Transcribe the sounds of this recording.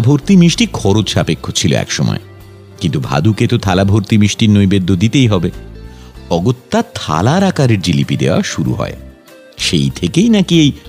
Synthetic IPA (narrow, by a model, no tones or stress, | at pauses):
bʱoɾt̪imiʃʈikʰɔɾot͡ɕʃapekʰːot͡ɕʰilo̰ɛ̰kʃɔmɔ̰e | kint̪ubʱa̰d̪uket̪ot̪ʰalabʱoɾt̪imiʃʈiɾnojbed̪ʱːod̪it̪ejɦɔbe | ɔɡot̪ːat̪ʰa̰laɾakaɾeɾdilipid̪eoa̰ʃuɾṵɦɔ̰e | ʃejt̪ʰekejnakiej